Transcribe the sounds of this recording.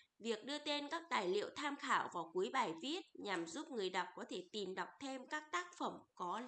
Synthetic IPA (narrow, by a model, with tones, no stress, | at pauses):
vi˨˩ək̚ɗɨ˧ət̪e˧nkaː˦˥k̚t̪aː˧˨˩jlḭ˧˨əwt̪ʰaː˧mxaː˧˩wvaː˨˩wku˨˦əjɓaː˨˩jvi˦˥ət̚ɲa˨˩mzu˦˥p̚ŋɨ˨˩əjɗa˨˩wk͡p̚kɔ˨˦t̪ʰe˧˩t̪i˨˩mɗa˨˩wk͡p̚t̪ʰe˧mkaː˦˥k̚t̪aː˦˥k̚fə˧˩mkɔ˨˦